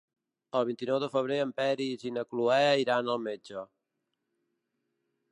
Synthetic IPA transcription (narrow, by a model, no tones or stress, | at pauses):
əlˠβ̞int̪inɔwðəfəβ̞ɾeəmpɛɾiːzinəkluɛəiɾanəlˠmed͡ʒə